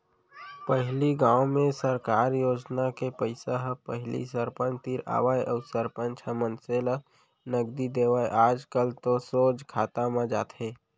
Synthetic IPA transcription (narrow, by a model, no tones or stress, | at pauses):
pəɦɪliɡãːwmẽsəɾkaːɾjoːd͡ʒnakepəɪsaɦpəɦlḭsəɾpə̃nt͡ʃt̪iɾa̰ːʋaːjʔəʊsəɾpə̃nt͡ʃʰəmənselə | nəɡd̪id̪eːʋaːeʔaːd͡ʒkəlt̪osoːd͡ʒkʰaːt̪amãd͡ʒaːt̪ʰɦeː